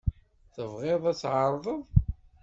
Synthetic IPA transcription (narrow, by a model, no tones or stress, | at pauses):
θəvʁɪðˤæt͡sːʕəɾˤðˤəðˤ